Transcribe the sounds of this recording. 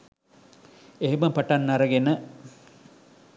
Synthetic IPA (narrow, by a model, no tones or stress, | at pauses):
eɦiməpaʈɐnːɐɾɐɡenə